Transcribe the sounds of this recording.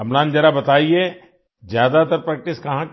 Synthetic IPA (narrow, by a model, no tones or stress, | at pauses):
ɐmlaːnd͡ʒɐɾabɐt̪aːie | zjaːd̪at̪ɐɾpɾɛːk̚ʈɪskɐɦãk